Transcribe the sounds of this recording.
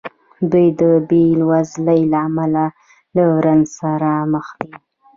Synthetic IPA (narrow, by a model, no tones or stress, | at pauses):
d̪ujd̪əbelwazləjlaːmala | lawɾansaɾaməxd̪i